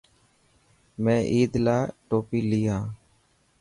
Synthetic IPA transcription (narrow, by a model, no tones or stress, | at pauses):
mɛ̃ːʔiːd̪laːʈoːpiːliːãː